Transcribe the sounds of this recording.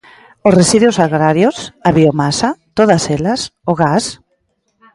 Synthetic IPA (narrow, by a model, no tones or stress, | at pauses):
osresiðjosaɣɾaɾjosaβiomasat̪oðaselɐsoɣas